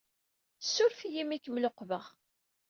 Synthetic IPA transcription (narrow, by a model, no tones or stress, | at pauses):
sːuɾfjimikːəmloqːvəʁ